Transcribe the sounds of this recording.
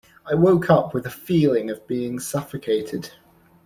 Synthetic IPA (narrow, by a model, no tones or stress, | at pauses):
aɪwoʊkʰʌpʰwɪðəfiːlɪ̃ŋəvbiːɪ̃ŋsʌfəkʰeɪtʰɪd̥